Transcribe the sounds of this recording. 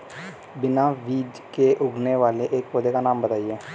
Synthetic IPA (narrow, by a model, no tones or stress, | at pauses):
bɪnaːʋiːd͡ʒ | keːʔʊɡneːʋaːleʔeːkpoːd̪eːkaːnaːmbət̪aːieː